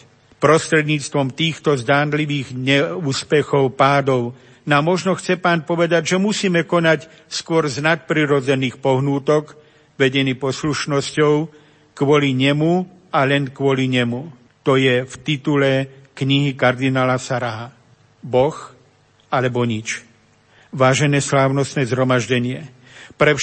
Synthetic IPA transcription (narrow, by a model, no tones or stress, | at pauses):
pɾɔst̪ɾɛd̪ɲiːt͡st̪ʋɔmt̪iːxt̪ɔzd̪aːnliʋiːɣɲɛuːspɛxɔʊpaːd̪ɔʊ | namːɔʒnɔxt͡sɛpaːnpɔʋɛd̪aɟʒɛmusiːmɛkɔnac | skʊɔɾznat̪̚pɾiɾɔd͡zɛniːxpɔɦnuːt̪ɔk | ʋɛɟɛniːpɔsluʃnɔscɔʊ | kʋɔliɲɛmu | alɛnkʋɔliɲɛmu | t̪ɔjɛft̪it̪ulɛkɲiɦikaɾd̪inaːlasaɾaɦa | bɔx | alɛbɔɲit͡ʃ | ʋaːʒɛnɛːslaːʊnɔst̪nɛːzɦɾɔmaʒɟɛɲɪɛ | pɾɛ